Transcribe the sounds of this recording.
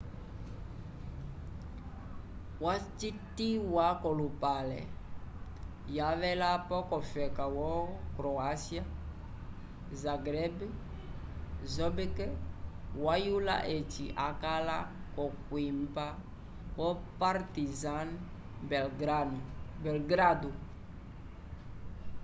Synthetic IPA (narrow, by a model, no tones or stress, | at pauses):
wat͡ʃitiwakɔlupalɛ̰ | javɛlapɔkɔfɛkawɔkɾoasia | zaɡɾɛb | zɔbekɛ | wajula̰ʔet͡ʃiʔakala | kɔkwimpa | wɔpaɾtizan | bɡ | bɛlɡɾadu